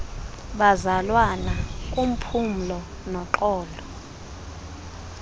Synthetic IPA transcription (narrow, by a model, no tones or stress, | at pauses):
ɓazalwanak̬ʼum̩pʰum̩lɔ | nɔǃɔːlɔ